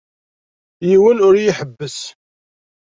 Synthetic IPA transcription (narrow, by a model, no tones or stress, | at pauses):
jiwənʊɾjiħəbːəs